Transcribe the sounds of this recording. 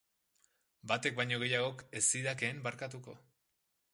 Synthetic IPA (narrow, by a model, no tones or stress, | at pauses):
bat̪e̞k̚bajɲo̞ɣe̞jaɣ̞o̞ke̞siðake̞ːmbaɾkat̪̬uko̞